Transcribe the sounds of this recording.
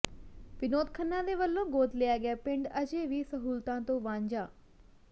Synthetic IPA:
pɪnoːt̪kʰənːãd̪eːʋəlːõɡoːt̪lejaːɡɪjapɪ̃ɳɖɐd͡ʑeʋiːsɐɦuːlt̪ãt̪õʋãːɲd͡ʑaː

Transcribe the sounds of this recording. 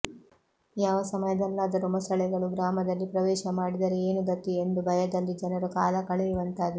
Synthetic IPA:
jaːʋɐsɐmɐjɐd̪ɛlːɐːd̪ɐɾumɐsɐɭɛɡɐɭuɡɾaːmɐd̪ɐlːipɾɐʋɛːʃɐmaːɽid̪ɐɾeeːnuɡɐt̪ːiend̪ubʱɐjɐd̪ɐlːid͡ʒɛnɐɾukaːlɐkɐɭɛjuʋɐnt̪aːd̪e

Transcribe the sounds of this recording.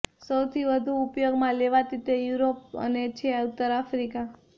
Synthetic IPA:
səwt̪ʰiʋəd̪ʱuːpjoɡmãleʋat̪it̪ejuɾop̚ə̰net͡ʃʰeaut̪əɾafɾika

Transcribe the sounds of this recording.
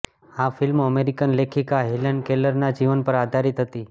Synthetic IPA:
afɪlməmeɾikənlekʰikaɦilənkeləɾnad͡ʒiʋənpəɾad̪ʱaɾit̪ɦət̪i

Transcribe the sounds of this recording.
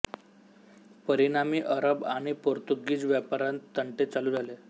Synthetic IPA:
pəɾiɽ̃amiːʔəɾəbaɽ̃ipoɾt̪uɡiːd͡zʋjapaɾant̪ːəɳʈet͡saluːd͡zʱale

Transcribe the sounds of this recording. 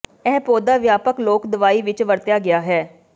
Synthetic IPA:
ɛːpoːd̪aːʋjaːpəkloːkd̪ʊʋaːiːʋɪt͡ʃʋəɾt̪jaːɡɪjaːɦɛː

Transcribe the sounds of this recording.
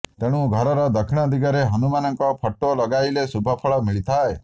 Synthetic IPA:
t̪eɽ̃ũɡʱɔɾɔɾɔd̪əkʰiɽ̃ɔd̪iɡaɾeɦənumanɔŋkɔpʰɔʈːolɔɡajlesubʱɔpʰɔɭɔmiɭit̪ʰae

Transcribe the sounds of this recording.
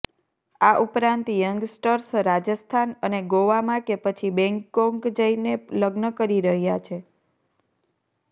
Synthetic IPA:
aʔupɾãnt̪jəŋɡsʈəɾsɾad͡ʒəst̪ʰanəneɡoʋamãkepət͡ʃʰibɛ̃ŋkːõŋɡd͡ʒəineləɡnəkəɾiɾəɦjat͡ʃʰe

